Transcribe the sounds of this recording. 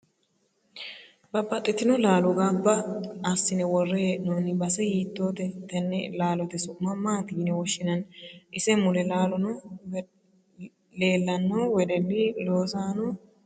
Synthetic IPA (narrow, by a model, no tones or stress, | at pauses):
bɐbːɐt̪ʼːɪt̪ɪnɔlaːlɔɡaːbːɐːsːɪnɛwɔrːɛjɛʔɪnɔnɪbɐsɛhiːt̪ːoːt̪ɛt̪ɛnːɛ̰laːlɔt̪ɛsʊmːɐmaːt̪iːnɛwɔʃːɪnɐnʔɪsɛmʊlɛlaːlɔnɔ | le̞ːlːɐnːowɛd̪ɛlːiloːsaːnɔ